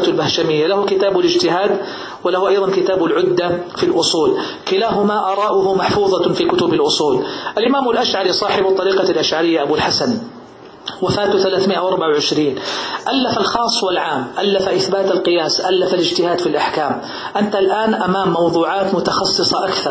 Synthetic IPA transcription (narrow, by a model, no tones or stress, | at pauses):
t̪lbahʃamɪjːalahʊkɪt̪aːbɪlɪd͡ʒt̪ɪɦaːd̪ | wɪlahʊʔɑjðˤɑnkɪt̪aːbʊlʕʊd̪ːafilʔʊsˤuːl | kɪlaːɦʊmaʔɑɾˤɑːʔʊhʊmaħfuːðˤɑfiːkʊt̪ʊbɪlʔʊsˤuːlʔalʔɪmaːmalʔaʃʕaɾisˤɑːħɪbɑt̪ˤːɑɾiːqɑlʔaʃʕaɾɪjːaʔabulħasan | wafaːt̪θalaːθmɪʔawʔɑɾˤbaʕawʕɪʃɾiːnʔalːafalxɑːsˤːwɪlʕaːmʔalːafaʔɪθbaːt̪alqɨjaːsʔalːafalɪd͡ʒt̪ɪhaːd̪filʔaħkaːm | ʔant̪alʔaːnʔamaːmːɑwðˤuːʕɑːt̪mʊt̪ɑxɑsˤːɨsˤɑʔakθɑɾˤ